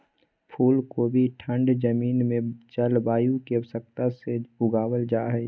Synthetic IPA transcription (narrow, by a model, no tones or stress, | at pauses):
pʰuːlkobʱiʈʰə̃ɳɖd͡ʒəmiːnmẽt͡ʃəlbaːjũkesək̚t̪aseʊɡaːwəld͡ʒaːɦɛ